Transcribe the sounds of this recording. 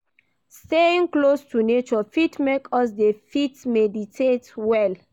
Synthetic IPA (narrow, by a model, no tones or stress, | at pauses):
steĩŋklostʰunet͡ʃɔfitmekʰɔs̬defitmɛditʰetwɛl